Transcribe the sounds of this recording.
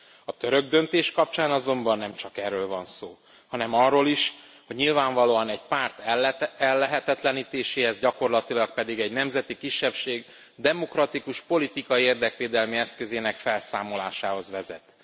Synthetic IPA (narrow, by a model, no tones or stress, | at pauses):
ɒt̪øɾø̞ɡ̚d̪ø̞nt̪eːʃkɒp̚t͡ʃaːnɒzo̞mbɒnːɛmt͡ʃɒkɛrːøːlvɒnsoː | hɒnɛmɒrːoːliʃ | ho̞ɟɲilvaːɱvɒloːɒnɛɟpaːrt̪ɛlːɛɦɛt̪ɛt̪lɛniːt̪eːʃeːhɛzɟɒko̞rlɒt̪ilɒk̚pɛd̪iɡɛɟnɛmzɛt̪ikiʃːɛpʃeːɡ | d̪ɛmo̞krɒt̪ikuʃpo̞lit̪ikɒieːrd̪ɛkʋeːd̪ɛlmiɛskøzeːnɛkfɛlsaːmo̞laːʃaːho̞zʋɛzɛ̰t̪